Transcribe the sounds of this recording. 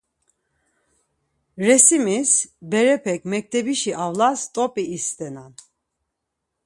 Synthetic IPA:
ɾɛsimisbɛɾɛpʰɛkʰʼmɛk̚t̪ʰɛbiʃiʔavlast̪ʼɔpʼiːst̪ʼɛnan

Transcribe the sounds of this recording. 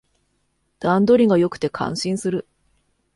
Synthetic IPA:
d̪̥ãnd̪o̞ɾʲiɡajo̞kɯ̥t̪e̞kʰã̰ɰ̃ɕĩɰ̃sɨɾɯ̟

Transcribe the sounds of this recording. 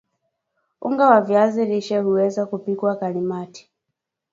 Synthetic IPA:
ṵŋɡawavjaziliʃɛhuwɛzakupikwakalimati̥

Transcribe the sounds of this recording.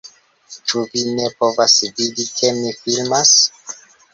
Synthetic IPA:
t͡ʃuvine̞po̞vasvidikʰe̞mifilmas

